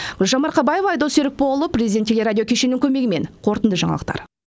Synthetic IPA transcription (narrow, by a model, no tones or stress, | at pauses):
ʒɑmɑɾqʰɑbɑjevɑjd̪oseɾɪk̚polˠəprʲezʲid̪ʲt̪ːʰelʲe̞ɾad̪ʲijo̞kʲʰe̞ʃe̞nɪŋkʲʰɵme̞ɡɪme̞̰nqʰo̞ɾt̪ənd̪əʒɑ̰ɴɑ̰lˠəqt̪ɑ̰ɾ